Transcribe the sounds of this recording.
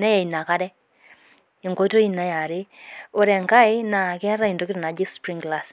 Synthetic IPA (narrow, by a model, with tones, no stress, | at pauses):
na˦ja˨i˨na˨ka˦ɾɛ˦ | ɪ˨ŋɡo˦to˦i˦na˨˦ja˨ɾɪ˦o˨ɾɛ˨ŋka˦jna˨kɛ˦ɾa˦i˨ndo˦kɪ˦ɾna˨d͡ʒi˦spɾi˦ŋɡla˨s